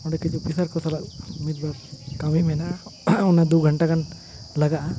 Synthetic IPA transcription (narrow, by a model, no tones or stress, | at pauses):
ɔɽɛkɛd͡ʒɔpisaɾkɔsalaʔmit̪̚baɾkamimɛnaʔunad̪uɡʱəɳʈakan | laɡaʔa